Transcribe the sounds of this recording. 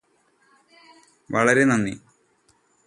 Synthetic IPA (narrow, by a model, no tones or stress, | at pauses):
ʋɐɭɐɾenɐnːḭ